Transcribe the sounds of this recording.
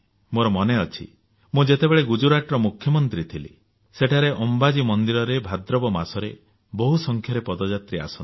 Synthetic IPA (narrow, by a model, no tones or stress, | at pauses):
moɾɔmɔneɔt͡ʃʰḭ | mũd͡ʒet̪ebeɭeɡud͡ʒuɾaʈɾɔmukʰjɔmɔnt̪ɾit̪ʰilḭ | seʈʰaɾeʔɔmbad͡ʒimɔnd̪iɾɔɾebʱad̪ɾɔbɔmasɔɾe | bɔɦusɔŋkʰjɔɾepɔd̪ɔd͡ʒat̪ɾia̰sɔni